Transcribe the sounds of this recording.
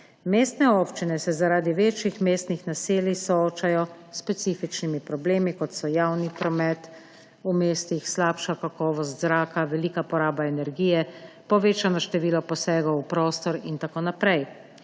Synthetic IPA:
meːst̪nɛopt͡ʃinɛsɛzaɾaːd̪iʋeːt͡ʃjixmeːst̪nixnaseːlisɔoːt͡ʃajɔspɛt̪siːfit͡ʃnimipɾɔbleːmikɔt̪sɔjawnipɾɔmɛt̪ | umeːst̪ixslaːpʃakakɔːʋɔst̪zɾaːkaʋɛliːkapɔɾaːbaɛnɛɾɡiːjɛ | pɔʋeːt͡ʃanɔʃt̪ɛʋiːlɔpɔsɛːɡɔwwpɾoːst̪ɔɾint̪akoːnapɾɛj

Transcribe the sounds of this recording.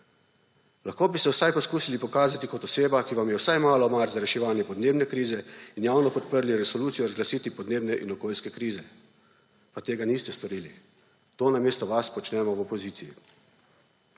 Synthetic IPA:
laxkoːbisɛwsajpɔskuːsilipɔkaːzat̪ikɔt̪ɔseːbakiʋamjɛwsajmaːlɔmaɾzaɾɛʃɛʋaːnjɛpɔd̪neːbnɛkɾiːzɛinjaːwnɔpɔt̪̚pəɾliɾɛsɔluːt̪sijɔɾazɡlasiːt̪ipɔd̪neːbnɛʔḭnɔkoːlʲskɛkɾiːzɛ | pat̪eːɡaniːst̪ɛst̪ɔɾiːli | t̪oːnameːst̪ɔʋaspɔt͡ʃnɛmɔwɔpɔziːijḭ

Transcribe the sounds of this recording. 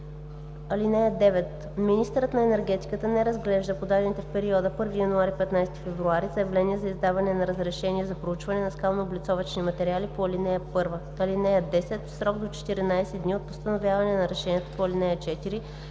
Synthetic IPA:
ɐlinɛjəd̪ɛvɛt̪ | minist̪əɾət̪nɐɛnɛɾɡɛt̪i̥kət̪ənɛɾɐzɡlɛʒd̪əpod̪ad̪ɛnit̪ɛfpɛɾiɔd̪əpɤɾvijɐnuaɾipɛt̪najst̪ifɛvɾuaɾizɐjɐvlɛniɛzɐizd̪avɐnɛnɐɾəzɾɛʃɛniɛzɐpɾout͡ʃvɐnɛnɐskalˠnoːblʲit̪sɔvɐt͡ʃnimɐt̪ɛɾʲialipoɐlinɛjəpɤɾvə | ɐlinɛjəd̪ɛsɛt̪sɾɔɡ̚d̪ot͡ʃɛ̥t̪iɾinajsɛd̪niot̪̚post̪ɐnovʲjavɐnɛnɐɾɛʃɛnʲiɛt̪ə̥poɐlinɛjət͡ʃɛt̪iɾi

